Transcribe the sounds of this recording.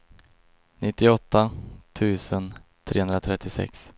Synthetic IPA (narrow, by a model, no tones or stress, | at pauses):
nʔɪt̪ːɪɔt̪ʰːat̪ʰʉ̟ːsənt̪ʰɾḛːhɵnd̪ɾat̪ʰɾɛt̪ːɪsɛ̰ks